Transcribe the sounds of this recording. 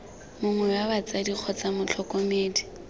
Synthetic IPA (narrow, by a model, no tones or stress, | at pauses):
mʊŋwɛwabat͡sadik͡xʰɔt͡samʊt͡ɬʰɔkʼomeːdi